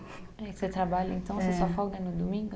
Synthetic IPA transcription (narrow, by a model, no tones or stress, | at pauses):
ɛset̪ɾabaʎɐẽnt̪ɐ̃w̃sesɔfɔɡɐnʊd̪omĩŋɡʊ